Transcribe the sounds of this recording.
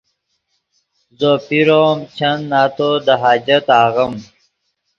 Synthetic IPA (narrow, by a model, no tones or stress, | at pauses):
zopiɾoːmt͡ɕʰɐnːaːt̪od̪ɐɦaːd͡ʑɐt̪aːɣɐm